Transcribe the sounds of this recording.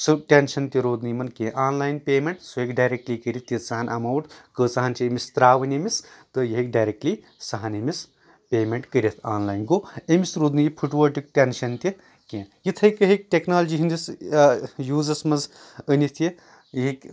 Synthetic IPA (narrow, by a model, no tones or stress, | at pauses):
sɨʈʲenʃɐnt̪ʲiɾoːd̪nimɐnkẽːʔaːnlaːjinpʲeːmeɳʈsuekɖaːjɾek̚ʈlikəɾʲit̪ʰjit͡sɐɦɐnʔɐmɐwʈkəːt͡saɦɐnt͡ʃʰiemist̪ɾaːʋɐnʲimist̪ɨjɐɦikɖaːjɾek̚ʈliː | sɐɦɐnɐmis | pʲeːmeɳʈkəɾʲit̪ʰaːnlaːjnɡoemisɾoːd̪nijipʰuʈʋɐʈik̚ʈʲenʃɐnt̪ʲi | kẽːjit̪ʰɐjkəɦik̚ʈʲeknaːlɐd͡ʒiɦind̪is | juːzɐsmɐnz | ənit̪ʰji | jɦikʲ